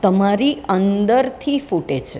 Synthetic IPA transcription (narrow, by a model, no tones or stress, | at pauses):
t̪əmaɾiənd̪əɾt̪ʰifuʈet͡ʃʰe